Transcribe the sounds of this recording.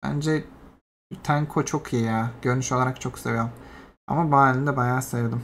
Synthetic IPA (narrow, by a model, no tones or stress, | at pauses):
bæ̰nd͡ʒɛ | t̪ʰæŋkʰo̞t͡ʃʰo̞kʰijijaːɟ̥ø̞ɾnyʃo̞lˠaɾakt͡ʃʰo̞kse̞vijoma̰mabaalʲind̪ɛbajaːsajɯɾd̪ɯm